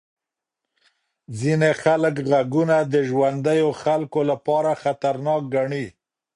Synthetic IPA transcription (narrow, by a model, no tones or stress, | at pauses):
zinexaləkɣaɡunad̪əʒwand̪əjoxalkolapɑɾaxat̪aɾnɑk̚ɡaɳi